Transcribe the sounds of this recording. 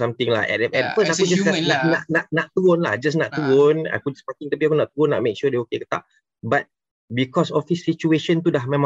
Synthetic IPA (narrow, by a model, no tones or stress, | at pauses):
samt̪ɪŋlakɛ̰tɛpɛtpəsakud͡ʒaskananaʔnaʔnaʔt̪uɾʊnla̰hd͡ʒas̬naʔt̪uɹʊna̰kud͡ʒasmakɪŋt̪apiakunaʔt̪uɾʊnːa̰ʔ̚mek̚ʃudeokekə̥t̪a̰ʔ | bat̪̚ | bikɔsɔfhisːit͡ʃueʃənt̪udahmẽmã